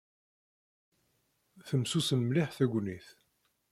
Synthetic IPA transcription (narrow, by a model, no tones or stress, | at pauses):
θəmsusənmliħθæɡʷniθ